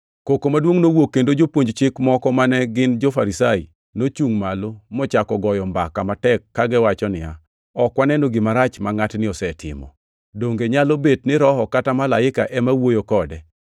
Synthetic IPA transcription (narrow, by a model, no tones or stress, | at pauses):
kokomadwoŋnowokːendod͡ʒopwoɲd͡ʒt͡ʃɪkmɔkɔmanɛɡɪnd͡ʒofaɾisai | not͡ʃuŋmalomɔt͡ʃakɔɡɔjɔmbakamatɛkːaɡɛwat͡ʃɔnɪja | ɔkwanɛnoɡɪmaɾat͡ʃmaŋatnɪɔsɛtʰɪ̰mɔ̰ | doŋɡeɲalobetnɪɾɔhɔkatamalaɪka̰ʔɛmawojokɔdɛ